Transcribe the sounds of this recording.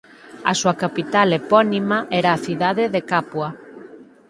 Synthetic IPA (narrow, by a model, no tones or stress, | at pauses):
ɐ̰suakapit̪alepɔnimaʔɛɾaːθiðaðɪðekapwa